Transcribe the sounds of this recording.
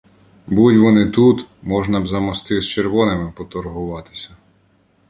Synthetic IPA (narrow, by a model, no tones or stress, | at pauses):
budʲʋɔnɪt̪ut̪mɔʒnɐbzɐmɔst̪ɪst͡ʃerʋɔnemɪpɔt̪ɔrɦʊʋɑt̪ɪ̥sʲɐ